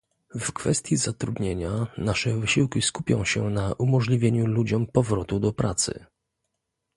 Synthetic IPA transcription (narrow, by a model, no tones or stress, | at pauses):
vkfɛst̪ʲjizat̪ɾud̪ɲeɲanaʂɛvɘɕiwkʲiskupʲjɔ̰̃w̃ɕɛnaʔumɔʐlʲivʲjeɲulud͡ʑɔmpɔvɾɔt̪ud̪ɔpɾat̪sɘ̰